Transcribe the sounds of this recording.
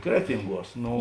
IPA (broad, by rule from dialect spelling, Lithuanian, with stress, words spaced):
ˈkrʲæːtʲɪŋˌɡuɔs ˈnoː